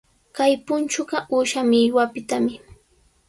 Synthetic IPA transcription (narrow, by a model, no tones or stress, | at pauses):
kajpʊnt͡ʃʊɢɑʔuːʃamɪʎwapɪt̪amɪ